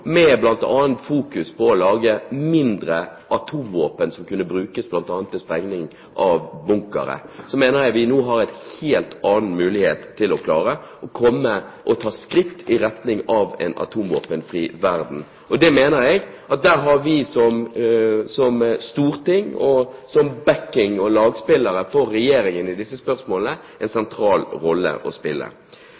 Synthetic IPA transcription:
mɛblɑnt̪ɑ̰ːənt̪fuːkʉspʰɔɔlɑːɡəmɪnd̪ɾəʔɑt̪ʰuːmʋoːpənsɔmkʉnːəbɾʉːkəsblɑnt̪ɑːnt̪ːɪspʁɛŋnɪŋ | ʔɑʋbʊŋkə̰ɾə̰sɔmeːnəʁjæɪʋɪnuːɦɑɾɛɪt̪heːlt̪ʰɑːnn̩mʉːlɪhḛːt̪ʰːɪlɔkʰlɑːɾəɔkʰɔmːəʔɔt̪ʰɑːskɾɪkt̪ʰɪɾɛt̪nɪŋɑʋɛ̰nɑ̰t̪ʰuːmʋo̰ːpənfʁiːʋæɾd̪n̩ | ɔd̪ɛmeːnəɾɛɡ | ʔɑt̪̚d̪æɾɦɑɾʋɪsɔm | sɔmst̪uːʁt̪ɪŋːɔsɔmbækɪŋɔlɑːɡspɪləɾəfɔɾːɛjeːɾɪŋənɪd̪ɪsːəspœɾsmoːlənə | ɛnsɛnt̪ʰɾɑːlɾɔlːə̰ʔɔspɪlːə̰

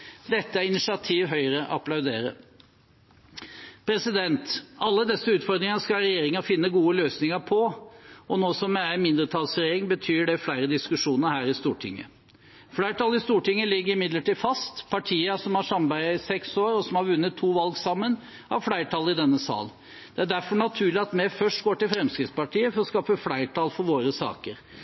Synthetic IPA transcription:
d̪ɛt̪ːəæɾɪnɪsɪɑt̪ʰiːʋɦœʏəɾəʔɑpʰlɑʉd̪ḛːɾə̰ | pʰɾɛsɪd̪ɛnt̪ɑlːəd̪ɛsːəʉːt̪fɔd̪ɾɪŋɑnskɑɾɛjeːɾɪŋɑfɪnːəɡuːəløːsnɪŋɑpʰɔɔnoːsɔmɛæɪmɪnd̪ɾət̪ʰɑlsɾeːɾɪŋbət̪ʰyːɖɛflæɪɾəd̪ɪskʉʂuːnəɾhæːɾɪst̪uːʈʰɪ̰ŋːə̰ | flæɪʈʰɑːlɪst̪uːʈɪŋːəlɪɡːəɾɪmɪd̪ləʈiːfɑst̪pʰɑʈʰiːəsɔmhɑʂɑmbæɪɪsɛksoːɾɔsɔmhɑɾʋʉnːət̪ʰːuːʋɑlɡsɑmːən | ɑ̰ʋflæɪʈʰɑːlɪd̪ɛnːəsɑ̰ːl | d̪̥ɛæɖæɾfɔɳɑt̪ʰʉːlɪɑt̪mɛfœʂʈ̚ɡoːʈɪlfɾɛmskɾɪt̪spɑʈʰiːəfɔɾɔskɑːpəflæɪʈʰɑːlfɔɾʋoːɾəsɑ̰ːkəɾ

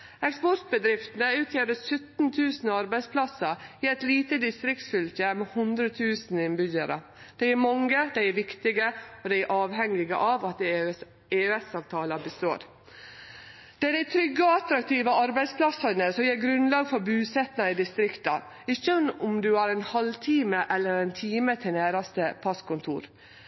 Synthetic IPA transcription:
ɛkspɔɾt̪̚bəd̪ɾɪft̪n̩əʉːt̪ʰjeɾəsʉt̪n̩t̪ʰʉːsn̩ɑɾbæɪspʰlɑsəiːɛt̪liːt̪əd̪ɪst̪ɾɪkt̪sfʏlçəmeːhʊnd̪ɾət̪ʰʉːsn̩ɪnbʏɟəɾə̰ | d̪̥ɛɪæɾmɑŋːəd̪æɪæɾʋɪkt̪ɪɡəɔd̪ɛɪæɾʔɑːʋhɛŋːɪɡə̰ʔɑʋɑt̪ | eːʉɛsɑːʋt̪ʰɑːlɑbəst̪oːɾ | d̪̥ɛd̪æɪt̪ʰɾʏɡːɔɑt̪ɾɑkt̪ʰiːʋəɑɾbæɪspʰlɑsɑnəsɔjeːɾɡɾʉnlɑːɡfɔɾbʉːsɛt̪nɑɪd̪ɪst̪ɾɪkt̪ɑ | ɪçːənʊmd̪ʉæːɾɛnhɑlt̪ʰiːməʔɛlːəɾɛnt̪ʰiːmət̪ʰɪnæːɾɑst̪əpʰɑskʊnt̪ʰṵːɾ

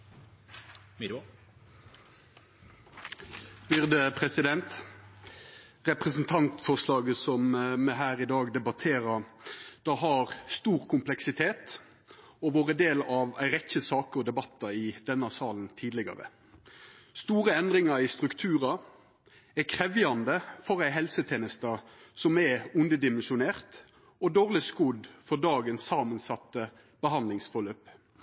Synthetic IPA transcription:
m | bʏʁd̪əpʰʁɛsɪd̪ɛnt̪ | ʁɛpʁəsn̩t̪ʰɑnt̪fɔʁʂlɑːɡəsɔmmɛɦæːʁɪd̪ɑːɡd̪ɛbɑt̪ʰeːɾɑd̪̥ɑɦɑʁst̪uːʁkʰʊmplɛksɪt̪ʰeːt̪ | ɔʋoːʁəd̪eːlɑʋæ̰ɪɾɛçəsɑːkəɔd̪ɛbɑt̪ːɑɪd̪̥ɛnːɑsɑːlnt̪ʰiːd̪lɪɡɑ̰ʁə̰ | st̪uːʁəɛnd̪ʁɪŋɑɾɪst̪ʁʉkt̪ʰʉːʁɑ | ɛkʰʁɛʋjɑnd̪əfɔʁæɪɦɛlsət̪ʰeːnəst̪ɑsɔmæʉnd̪əd̪ɪmɛnʃʊneːʁt̪ | ɔd̪oːʁlɪskʊd̪fɔʁd̪ɑːɡənsːɑːmənsɑt̪ːə | b̥əɦɑnd̪lɪŋsfɔløːp

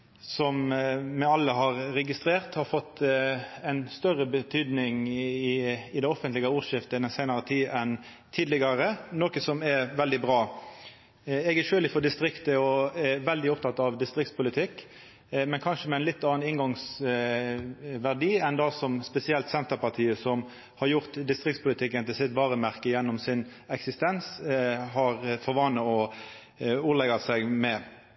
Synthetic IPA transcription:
sɔmmɛɑlːəɦɑʁɾɛɡɪst̪ɾeːʁt̪hɑɾfɔt̪ː | ɛɪnst̪œʁəbət̪ʰyːd̪nɪŋɪɪd̪ɛɔfənt̪lɪɡəuːʁʂɪft̪əd̪ɛnsæɪnɑʁət̪ʰiːʔɛn | t̪ʰiːd̪lɪɡɑɾənoːkəsɔmɛʋɛld̪ɪbʁɑː | ɛɡæʃøːlɪfɔd̪ɪst̪ɾɪkt̪əɔæʋɛld̪ɪɔp̚t̪ʰɑt̪ːɑʋd̪ɪst̪ɾɪk̚t̪spʰʊlɪt̪ʰɪkː | mɛnkʰɑnʂəmɛɪnlɪt̪ːɑːɑnɪŋɡɑŋs | ʋæʁɖiːɛnd̪ɑsɔmspɛsɪɛlt̪sɛnt̪əpɑʁt̪ʰiːəsɔm | hɑʁjʊʁt̪d̪ɪst̪ʁɪk̚t̪spʊlɪt̪ʰɪkːənt̪ɪlsɪt̪ʋɑːʁəmæʁkəjɛnːɔmsɪnɛksɪst̪ɛnshɑɾfɔʁʋɑːnəɔ | uːlɛɡɑsɛɡmɛ

